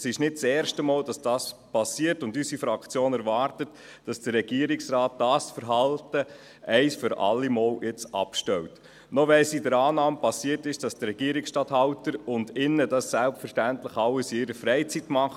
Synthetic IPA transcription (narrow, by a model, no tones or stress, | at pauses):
sɪʃnɪt̚t͡sɛːɾʃtəmoːld̥ɑsd̥ɑːspɑsiəɾtʊndysifɾɑkt͡sjoːnɛɾvɑːɾtət | d̥ɑsd̥əɾːɛɡ̥iəɾɪksɾɑːt̚d̥ɑːsfəɾɦɑltə | ʔɛɪsfʏɾʔɑ̰lːimoːljɪt͡sɑ̰pʃtɛlt | nɔʋɛsidəɾɑːnɑːmpɑsiːətɪʃd̥ɑsd̥əɾɛɡ̥iəɾɪksʃtɑthɑʊtəɾʊndɪnːədɑsːælpfəɾʃtæntlɪχɑlːəsiɪɾəfɾɛɪt͡sitmɑχ